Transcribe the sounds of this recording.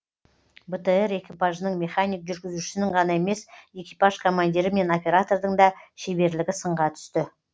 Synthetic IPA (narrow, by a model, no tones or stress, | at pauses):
bət̪əe̞ɾe̞kʲipaʒənəɴmʲe̞χanijk̚ʒʏɾɡʲɪzuʃɪɪnɪɴʁɑnɑe̞me̞se̞kʲijpaʒkʰo̞mand̪iɾɪme̞no̞pʲe̞ɾat̪o̞rd̪əɴd̪ɑʃebe̞ɾlɪɡʲɪsəɴʁɑt̪ʰʏ̥st̪ɪ